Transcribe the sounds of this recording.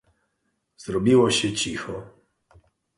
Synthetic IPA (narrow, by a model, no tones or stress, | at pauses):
z̥ɾɔbʲiwɔɕɛt͡ɕixɔ